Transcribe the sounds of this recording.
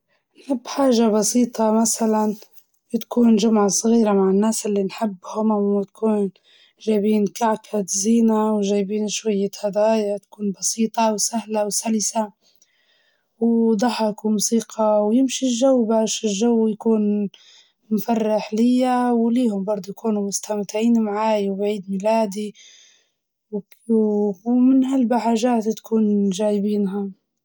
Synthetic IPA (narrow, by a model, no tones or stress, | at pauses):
nħɪbːħaːʒabɑsiːt̪ˤɑmasalan | t̪ḁkʰuːnʒʊmʕasˤɣiːɾamaʕɪnːaːsʔɪlːinħɪbːhʊmmɪt̪ḁkʰuːn | ʒaːbiːnkaʕkat̪ziːnawʒaːjbiːnʃwajːat̪had̪aːjat̪ḁkuːnbɑsiːt̪ˤɑwsahlawsalɪsa | wd̪ˤɑħɑkumusiːqʰɑwjɪmʃilʒawːbaːʃɪlʒawːjkuːn | mfarːaħlɪjːawliːhʊmbɑɾˤd̪ˤujkuːnumʊst̪amt̪ɪʕiːnmʕaːjwbʕiːd̪milaːd̪i | w | mɪnhalbaħaːʒaːt̪t̪kʰuːnʒaːjbiːnɦa